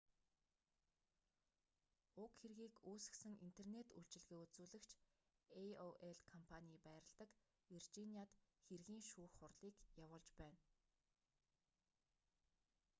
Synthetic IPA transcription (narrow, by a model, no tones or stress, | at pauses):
ʊkxerɣiːkuːsɘ̆ksɘ̆ŋint̪ʰernet̪uɬt͡ɕɪ̆ɮɣeːut͡suːɮɘ̆kt͡ɕʰ | eoʔeɮkʰɔmpʰaniːpæːɾə̆ɮt̪ə̆k | virt͡ɕinʲiat̪xerɣiːŋʃuːxχʊrɮiːkjawʊːɮt͡ɕpæːn